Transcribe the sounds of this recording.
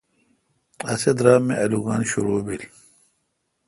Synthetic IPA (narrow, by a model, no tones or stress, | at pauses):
ɐsed̪ɾaːmːeʔɐluɡaːnɕuɾoːbil